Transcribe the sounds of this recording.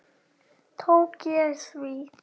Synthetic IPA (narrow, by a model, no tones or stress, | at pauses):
tʰokiəswi